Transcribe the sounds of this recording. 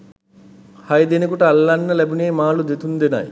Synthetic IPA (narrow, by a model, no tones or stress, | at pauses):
hajd̪enekuʈɐɐlːaɳːɐlɛbuneːmaːlud̪et̪ʰund̪ena̰j